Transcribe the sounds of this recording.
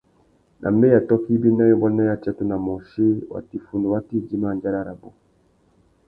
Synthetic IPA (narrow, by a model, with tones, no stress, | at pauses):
nʔa̰˨mbe˦ja˨tɔ˦ki˦bi˦na˦jɔ˦ba˦na˦ja˦t͡ʃa˦tu˦na˨mɔ˨ʃi˦wa̰˨ti˨fu˨ndo˨wa˦ti˦˨d͡ʒi˦ma˦˨nd͡ʒa˦ɾa˦ɾa˨bo˦